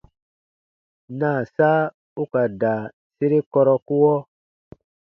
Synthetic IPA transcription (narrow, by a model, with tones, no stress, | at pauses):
na˨saː˦ | u˦ka˨da˨ | se˦ɾe˦kɔ˧ɾɔ˧ku˦wɔ˦